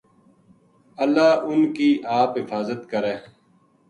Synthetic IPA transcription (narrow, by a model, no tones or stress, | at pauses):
əlːaːʔʊnkiːʔaːpɦɪfaːzət̪kəɾẽː